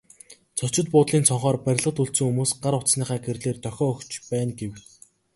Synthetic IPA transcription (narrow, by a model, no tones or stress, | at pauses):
t͡sʰɔt͡ɕɪ̆t̪̚pʊːt̪ɮiːnsɔɴχɔːrpæɾʲɪ̆ɮʁə̆t̪uɬt̪sɵ̆ŋxumoːsɢaɾʊt͡ssniːχæːkerɮeːrt̪ʰœxʲɔːkt͡ɕpæːnɡew